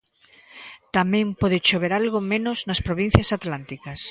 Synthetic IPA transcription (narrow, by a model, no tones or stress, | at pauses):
t̪amɛ̃ŋpoðɪt͡ʃoβeɾalɣomẽnoznɐspɾoβ̞in̟θjasat̪lant̪ikɐs